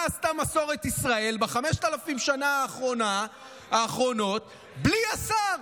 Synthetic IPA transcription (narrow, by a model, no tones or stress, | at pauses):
ast̪amaso̞ʁet̪isʁae̞lbaχameʃt̪alafimʃanaaχʁona | aːχʁo̞no̞t̪ | bliasaʁ